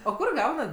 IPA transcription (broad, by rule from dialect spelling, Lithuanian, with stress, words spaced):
oː ˈkʊr ˈɡɐʊnɐt